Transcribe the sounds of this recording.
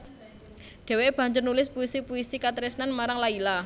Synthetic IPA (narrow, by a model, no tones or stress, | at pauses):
ɖ̪̥e̤web̥ä̤ɲd͡ʒʊrnulɪspuisipuisikat̪ɾisnanmaɾaŋlaila